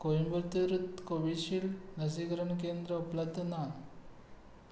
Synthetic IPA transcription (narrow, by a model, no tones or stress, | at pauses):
kojimbuɾt̪iʋɾut̪koʋiɕiɭnɐs̬ikɾɐɳkend̪ɾəuplɐb̚d̪ʱːɐna